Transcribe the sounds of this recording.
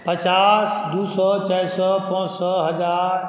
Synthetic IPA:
pɐt͡ʃaːsd̪uːsɔːt͡ʃɛɪsɔpɔ̃ːsɔɦɐd͡ʒaːɾ

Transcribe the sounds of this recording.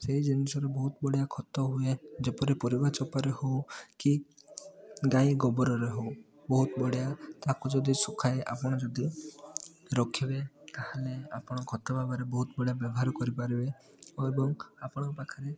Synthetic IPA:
seɦid͡ʒinisɔɾebɔɦut̪bɔɽijakʰɔt̪ɔɦued͡ʒepɔɾipɔɾibat͡ʃɔpɔɾehowki | ɡajɡɔbɔɾɔɾeɦow | bɔɦut̪ɔbɔɽjat̪akud͡ʒɔd̪isukʰajeʔa̰pɔɽ̃ɔd͡ʒɔd̪i | ɾɔkʰibet̪ahelea̰pɔɽ̃ɔkʰɔt̪ɔbʱabɔɾebɔɦut̪ɔbɔɽjabjɔbɔɦaɾɔkɔɾipaɾibe | ebɔŋapɔɽ̃ɔpakʰaɾe

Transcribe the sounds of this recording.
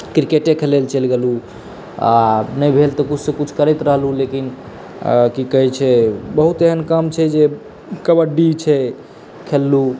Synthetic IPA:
kɾikeʈekʰelelt͡ʃəlɡelu | a̰nəjbʱelt̪ɔkut͡ʃʰsẽkut͡ʃʰkəɾɛjt̪ɾəɦlulekin | kikəɦɛt͡ʃʰɛbəɦut̪eɦənkəmt͡ʃʰɛd͡ʒe | kəbəɖit͡ʃʰɛ | kʰelːu

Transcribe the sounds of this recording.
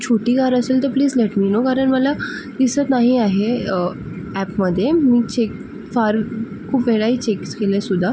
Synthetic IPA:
t͡ɕʰoʈiːɡaɾəselt̪əɾpliːd͡zlɛʈmiːnokaɾəɳməlad̪isət̪naɦiaɦe | æpməd̪ʱːjemiːt͡ɕek̚ | faɾ | kʰuːpʋeɭaiːt͡ɕekkelesud̪ʱːa

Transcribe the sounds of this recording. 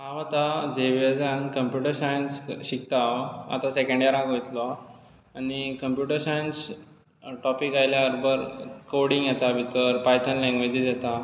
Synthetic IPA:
ɦãʋat̪ad͡zeʋed͡zankəmpjuʈəɾsajənsɕik̚t̪aʋa̰t̪ãsekə̃ɳɖjaɾãkojt̪lɔ | anikəmpjuʈəɾsajəns | ʈɔpikajljaəɾbəɾkoɽĩŋɡjet̪abʱit̪əɾpajt̪ʰənlɛ̃ŋɡʋed͡ʑisjɛt̪a

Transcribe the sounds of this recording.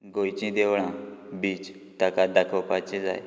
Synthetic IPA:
ɡojt͡ɕĩd̪eʋɭãbiːt͡ɕ | t̪akad̪akʰəpat͡ɕẽd͡za̰j

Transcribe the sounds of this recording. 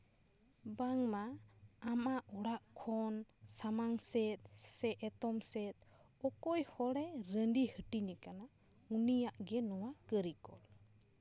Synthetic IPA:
baŋma | amaʔɔɽaʔkʰɔn | samaŋsɛt̪̚sɛʔɛt̪ɔmsɛt̪̚ˀ | ɔkɔjhɔɽɛɾəɳɖihəʈinikana | unijaʔɡɛnɔwakəɾikɔl

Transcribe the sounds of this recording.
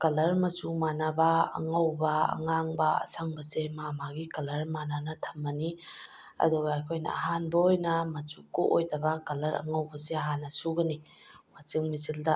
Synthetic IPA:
kɐlɐɾmɐt͡ʃumanabaɐ̰ŋawba̰ːŋaŋbaɐ̰sʰaŋbɐsemamaɡikɐlɐɾmananɐtʰɐ̥mːɐni | ɐ̰duɡaːjkʰojnɐ̰aɦanbɐojnamɐt͡ʃukːoʔojdɐbakɐlɐɾɐ̰ŋawbɐseɐɦanːɐsuɡɐni | mat͡ʃɯŋmizildɐ

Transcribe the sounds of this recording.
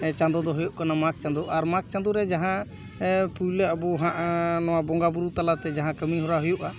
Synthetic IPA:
t͡ʃãnd̪ɔd̪ɔɦɔjuʔkanamak̚t͡ʃãnd̪ɔʔaɾmak̚t͡ʃand̪uɾɛd͡ʒaɦã | pujləabɔɦãʔanɔwabɔŋɡabuɾut̪alat̪ɛd͡ʒaɦãkəmiɦɔɾaɦɔjuʔa

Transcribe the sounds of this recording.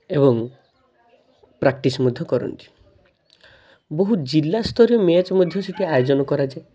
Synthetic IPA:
ebɔŋ | pɾak̚ʈismud̪ʱjɔkɔɾɔ̰nt̪i̥ | boɦud͡ʒilːast̪ʰɔɾjɔmet͡ʃɔmod̪ʱjɔseʈiajod͡ʒɔnɔkɔɾad͡ʒa

